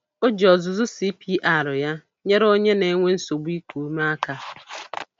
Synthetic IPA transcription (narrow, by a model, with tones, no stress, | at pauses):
o˦d͡ʒɔ˨zʊ˨zʊ˦si˦pi˦ʔa˦˨ɾʊ˨ja˦ | ɲe˦ɾo˦ɲe˦ne˨˦ŋʷe˦n̩˦so˨ɡ͡bi˦ku˨˦ma˦a˦ka˦